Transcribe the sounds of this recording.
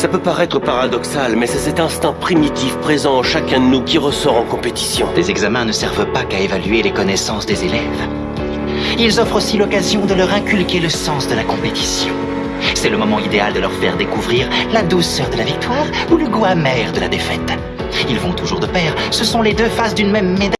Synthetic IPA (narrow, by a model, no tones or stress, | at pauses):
sapøpaʁɛt̪χəpaʁad̪ɔksalmɛsɛsɛt̪ɛ̃st̪ɛ̃pχimit̪ifpχezɑ̃ɑʃakʲɛ̃d̪ənukʲiʁəsɔʁɑ̃kɔ̃pet̪i̥sjɔ̃d̪̥ezɛɡzamɛ̃nəsɛʁvəpakaevalɥelekɔnɛsɑ̃sd̪ezelɛv | ilzɔfχosilɔkazjɔ̃d̪əlœʁɛ̃kʲylkeləsɑ̃sd̪əlakɔ̃pet̪i̥sjɔ̃ | sɛləmɔmɑ̃id̪eald̪əlœʁfɛ̰ʁd̪ekuvʁiʁlad̪usœʁd̪əlavik̚t̪waːʁ | uləɡoamɛʁd̪əlad̪efɛt̪ | ilvɔ̃t̪uʒuʁd̪əpɛʁ | səsɔ̃led̪øfasd̪ynmɛmːed̪a